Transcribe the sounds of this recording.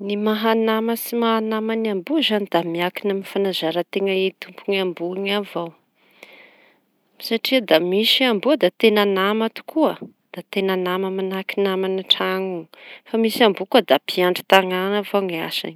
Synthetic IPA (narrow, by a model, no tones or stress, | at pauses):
nimaɦanaməsimaɦanamanambuzanid̪̥amiakinamifanazaɾət̪eŋəit̪umpuŋambuŋavaw | saʈ͡ʂiəd̪amisiambuəd̪at̪enanamat̪u̥kʰuə | d̪̥at̪enanaməmanakinamaniʈ͡ʂaŋuŋfamisiambukuəd̪apʰiaɳɖ͡ʐi̥t̪aŋanavawŋia̰sa̰ni̥